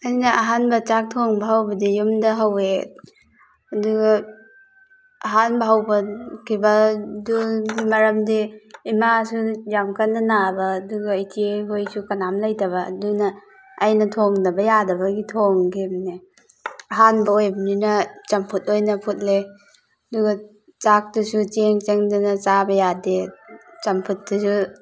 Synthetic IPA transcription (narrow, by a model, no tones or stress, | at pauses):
ɐjnɐɐɦanbɐt͡ʃak̚tʰoŋbɐɦawbɐdijumdɐɦɐwe | ɐduɡɐ | ɐɦanbɐɦawbɐkʰibɐduɡimɐɾɐmdiːmasujamkɐnːɐnabɐːduɡɐijtʰieɦojsukɐnamlajtɐβɐ̰ːdunɐː | jnɐtʰoŋnɐbɐjadɐbɐɡitʰoŋɡebni | ɐɦanbɐojbɐninɐt͡ʃɐmpʰut̚ojnɐpʰut̚le | ɐduɡɐ | t͡ʃak̚tusut͡ʃeŋt͡ʃeŋdunɐt͡ʃabɐjadet͡ʃɐmpʰut̚ːdusu